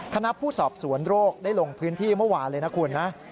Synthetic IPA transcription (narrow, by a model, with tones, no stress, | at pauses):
kʰa˧na˦˥pʰuː˥˩sɔː˨˩p̚su˩˦ənɾoː˥˩k̚daː˥˩jlo˧ŋpʰɯː˦˥nt̪ʰiː˥˩mɯ˥˩əwaː˧nlɤː˧jna˦˥kʰu˧nːa˦˥